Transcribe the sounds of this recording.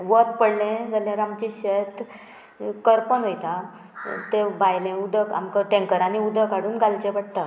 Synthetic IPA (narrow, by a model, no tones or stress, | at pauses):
ʋət̪pəɽlẽd͡zaljaɾamt͡ɕiɕet̪ | kəɾpənɦojt̪a | t̪ẽbajlẽud̪əka̰mkəʈẽŋkəɾaniud̪əkaɽuːnɡalt͡ɕẽʋaɽt̪a